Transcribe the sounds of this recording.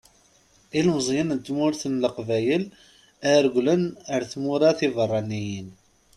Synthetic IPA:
ilməzˤjənnt̪ːmʊɾθənləqvæjəl | æɾɡʷlənəɾθmuɾæθivərˤːɑnːijən

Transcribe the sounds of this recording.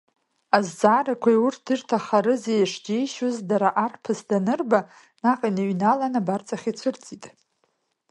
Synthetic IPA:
azd͡zaːɾakʷʰajurt̚ʰdɨrtʰaχaɾɨzejaʂd͡ʒejʃozdaɾaʔarpʰɨsdanɨrba | naqʼinaɥnalanabart͡sʼaχʲit͡sʷʰɨrt͡sʼitʼ

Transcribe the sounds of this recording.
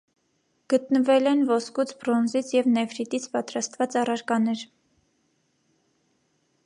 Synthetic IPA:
ɡ̥ət̪nəvɛlɛnvɔskut͡sʰbɾɔnzit͡sʰjɛvnɛfɾit̪it͡sʰpɑt̪ɾɑst̪vɑt͡sɑrɑɾkɑnɛɾ

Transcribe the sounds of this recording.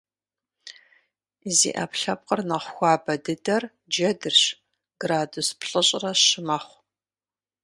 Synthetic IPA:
zḭːʔɐ̰pɬɐp̚qʼərnɐχʷxʷɑːbɐdɨdɐr | d͡ʒɐdɨrɕ | ɡ̥raːduspʰɬʼɨɕʼrɐɕɪmɐχʷ

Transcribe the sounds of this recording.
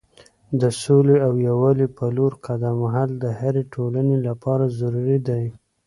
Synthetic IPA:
d̪əsoleawjawɑlepaloɾqad̪amaɦald̪əhaɾeʈʰolanelapɑɾazaɾuɾid̪aj

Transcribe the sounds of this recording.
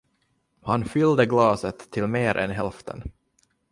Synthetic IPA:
hanfʏld̪əɡlɑːsət̪ʰːɪlmeːɾʔɛ̰nɦɛlft̪ʰə̰n

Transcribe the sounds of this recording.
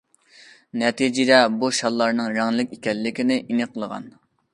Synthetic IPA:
nɛt̪ʰid͡ʒid̪ɛbuʃɑlˠːɑɾnɨŋɾæŋlˠɪkʲikʲɛlːɪkʲinɪʔinɨqʰəlˠəʁɑ̰n

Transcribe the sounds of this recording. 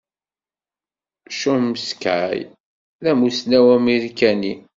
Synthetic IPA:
ʃuməsə̥kʕa̰j | ðæmusnæwæmiɾkæni

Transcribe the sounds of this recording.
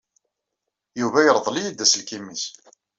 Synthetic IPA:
juvæjəɾˤðˤlijid̪ːæsəlkimis

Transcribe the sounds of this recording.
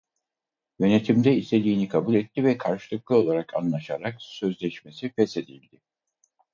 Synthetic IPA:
jø̞ne̞t̪ʰimd̪ɛist̪ʰe̞d̪ʲiːnikʰabulʲɛt̪ːivɛkʰaɾʃɯ̥lˠɯklˠɯo̞lˠaɾakʰa̰nlˠaʃaɾaksø̞zlʲɛʃme̞sifɛse̞d̪ilʲd̪ɪ

